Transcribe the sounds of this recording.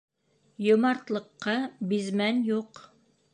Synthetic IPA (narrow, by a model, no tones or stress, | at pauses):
jŏmɑɾt̪lˠɤ̆qːɑbizmænjuq